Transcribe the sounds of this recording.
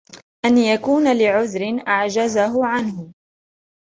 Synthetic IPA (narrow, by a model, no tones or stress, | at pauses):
ʔanjakuːnalɪʕʊðɾɪnʔaʕd͡ʒazaɦʊʕanhʊ